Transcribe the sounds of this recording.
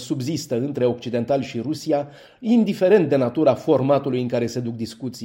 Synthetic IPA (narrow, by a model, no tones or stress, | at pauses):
subzist̪əɨnt̪ɾe̞o̞k̚t͡ʃid̪e̞nt̪alʃiɾusia | ind̪ife̞ɾe̞nt̪̚d̪e̞nat̪uɾəafo̞rmat̪ulujɨŋkaɾe̞se̞d̪uk̚d̪iskut̪si